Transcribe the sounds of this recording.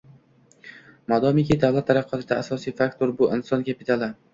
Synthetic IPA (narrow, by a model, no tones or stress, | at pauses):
mɒd̪ɒmikʲid̪avlat̪ːaɾɑqʰːɒt̪ʰɪd̪aasɒsijfakt̪ʰoɾbʊʔɪnsɒnkʲapɪt̪ʰalˠɪ